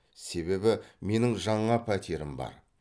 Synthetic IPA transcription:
se̞βe̞bɪme̞nɪŋʒɑɴɑpʰæt̪ʰeɾɪmbɑ̰ɾ

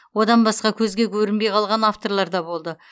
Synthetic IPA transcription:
wo̞d̪ɑnbɑsqɑkʲʰɵzɡʲe̞kʲʰɵɾɪnbe̞jqʰɑlˠʁɑnaft̪o̞ɾlˠɑɾd̪ɑbo̞lˠd̪ə

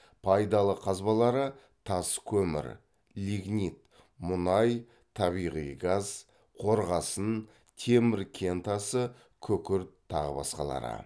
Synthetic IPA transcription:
pʰɑjd̪ɑlˠəqʰɑzbɑlˠɑɾə | t̪ʰɑskʲʰɵmɪ̰ɾ | liɡnit̪ | mʊnɑj | t̪ʰɑβijʁijɡaz | qʰo̞ɾʁɑsən | t̪ʰe̞mɪɾkʲʰe̞nt̪ɑsə | kʲʰɵkʲɪɾt̪ʰːɑ̰ʁə̰bɑ̰sqɑ̰lˠɑ̰ɾə̰

